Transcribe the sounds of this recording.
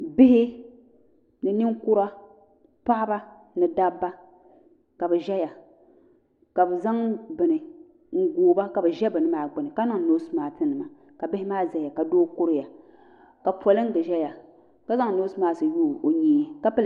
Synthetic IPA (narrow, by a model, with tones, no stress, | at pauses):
bɪ˦hɪ˦ | nɨ˨nɨ˦ŋkʊ˦ɾa˦ | pa˦ʔba˦ | nɨ˨da˦bːa˦ | ka˨bɨ˨ʒɛ˦ja˨ | ka˨bɨ˨za˦ŋbɨ˨nɨ˨ | ŋ̩˦ɡoː˨ba˦ka˨bɨ˨ʒɛ˦bɨ˨nɨ˦maː˨˦˨ɡ͡bɨ˨nɨ˨ka˦nɨ˦ŋ˨noː˦sɨ˦maː˨˦tɨ˦nɨ˨ma˨ | ka˨bɪ˦hɪ˦maː˦zɛ˨ja˨ka˨doː˦kʊ˦ɾɪ˦ja˨ | ka˨pɔ˨lɨ˦ŋ̩˦ɡɨ˨ʒɛ˦ja˨ | ka˦za˦ŋ˨noː˦sɨ˦maː˦sɨ˨juː˦˨o˨ɲiː˦˨ka˦pɨ˦l